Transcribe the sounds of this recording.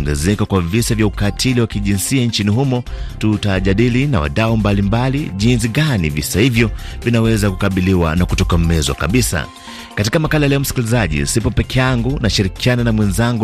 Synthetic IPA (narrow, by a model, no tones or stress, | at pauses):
ŋɡɛzɛkakwavisavjaukatʰiliwakiʄinsiant͡ʃiniɦumɔtutaʄaɗilina̰wa̰ɗaumbalimbaliʄinsiɠanḭvisahivjɔvinawɛzakukaɓiliwa̰nakutɔkam̩mɛzwa̰kaɓisa̰ | katikamakalajlɛɔm̩si̥kilizaʄḭsipɔpɛkɛjaŋɡunaʃiɾikiananamwɛnzaŋɡu